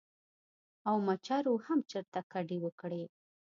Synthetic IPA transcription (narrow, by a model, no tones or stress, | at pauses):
awmat͡ʃɑɾwohamt͡ʃəɾt̪akaɖewəkɽe